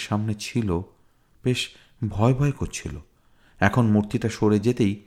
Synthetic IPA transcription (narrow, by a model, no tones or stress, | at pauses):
ʃamnet͡ɕʰilo | b̥eʃ | bʱɔebʱɔekoɾt͡ɕʰilo̰ | ɛkʰonmuɾt̪iʈaʃoɾed͡ʑet̪ej